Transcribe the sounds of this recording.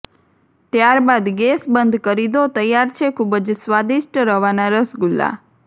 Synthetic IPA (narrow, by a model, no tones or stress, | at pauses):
t̪jaɾbad̪ɡesbənd̪ʱkəɾid̪ot̪əjːaɾt͡ʃʰekʰubəd͡ʒsʋad̪iʃʈɾəɦʋanaɾəsɡulːa̰